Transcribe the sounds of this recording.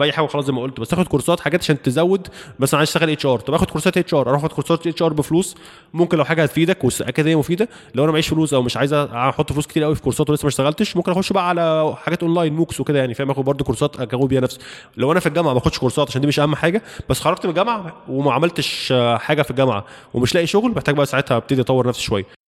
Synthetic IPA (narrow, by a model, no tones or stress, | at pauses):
fʔæjːħaːɡæxɑlɑːsˤd̪emʔolt̪bæst̪ʔæxod̪̚koɾsˤɑːt̪ħaɡæːt̪ʔaʃæːnt̪ezæwːed̪mæsælænʕajzt̪æɣælʔeːt͡ʃʔɑːɾt̪ˤɑbʔæxod̪̚koɾˤsˤɑːt̪ʔeːt͡ʃʔɑːɾˤʔɑˤɑʔħʔxod̪koɾsˤɑːt̪ʔeːʃʔɑːɾˤbefluːs | momkenlæwħaːɡæhæt̪fiːd̪ækwesʔækæd̪hejæmofiːd̪æ | læwʔænæbæʕiːʃfluːsʔæwmeʃʕaːjezæħot̪ˤːfeluːsket̪iːʔæwifi̥koɾsˤɑːt̪welesːæmæʃt̪æɣælt̪eʃmomkenʔæxod̪ʃbæʔæʕalæħaɡæːt̪ʔonlæːjnmuːksweked̪æjaʕnifihæmæʔæxod̪̚bɑɾˤd̪ˤokoɾsˤɑːt̪ʔækæɣuːibiːhænæfso̥ | læwʔænæfilɡæmʕamæxod̪ʃkoɾsˤɑt̪ʕaʃænd̪iːmeʃʔæhæmːħaːɡæb̥æsːxɑɾˤɑɡt̪belɡæmʕawemæʕamælt̪eʃħaːɡæfiɡæmʕa̰wemeʃlæːʔiʃoɣlbeħt̪æɡbæʔæsaʕet̪hæbet̪ed̪iʔɑt̪ˤɑwːeɾnæfsʃowæjːæ